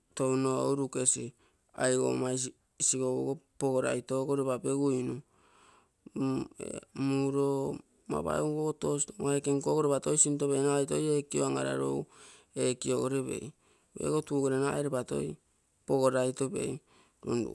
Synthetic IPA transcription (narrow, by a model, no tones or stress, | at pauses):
townoowɾuke̞si | ajɡo̰maj | siɡouɡopoɡoɾa̰jto̞ɡoɾeβapeɡujnu | muɾo | ma̰βa̰eukooto̞stoaekeŋko̞ɡoɾeβato̞jsintoβenajto̞jekioaŋa̰ɾa̰ɾo̰w | ekio̞ɡoɾeβe̞̰j | ḛɡo̞tuːɡoɾenaeɾepato̞̰j | poɡoɾajto̞be̞̰j | ɾṵndṵ